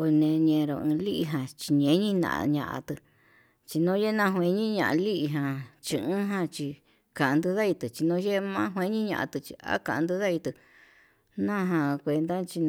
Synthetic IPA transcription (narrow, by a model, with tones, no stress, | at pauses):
o˧nẽ˧ɲẽ˧ɾo˧ɨ̃˧li˦ʔi˧ɦã˧t͡ʃi˧ɲẽ˧˦ɲĩ˦nã̰˧ʔa̰˧ɲã̰˧˨ʔa̰˧t̪ɨ˧ | t͡ʃi˧nõ˦je˦nã˧ɦw̃ẽ˧ɲĩ˦ɲã̰˧˨ʔã̰˧li˦ʔi˧ɦã˧t͡ʃi˧ɨ̃˦ɦã˧t͡ʃi˧ | kã˨ã˧nd̪ɨ˧ða˦i˧t̪ɨ˨t͡ʃi˧nõ˧˦je˦˧mã˦ɦwẽ˧˦ɲĩ˦ɲã̰˧ʔa̰˧t̪ɨ˧t͡ʃi˧a̰˦kã˧ʔnd̪ɨ˧ða˦i˧t̪ɨ˧ | nã˦ɦã˧kʷe˧nd̪a˦t͡ʃi˧n